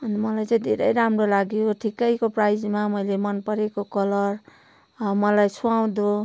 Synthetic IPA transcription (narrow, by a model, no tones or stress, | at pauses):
ʌnmʌlajd͡zʌd̪ʱḛɾə̰jɾamɾolaɡijoʈʰikːʌikopɾajd͡zmamʌilemʌnpʌɾekokʌlʌɾ | mʌlajsʰuaw̃d̪o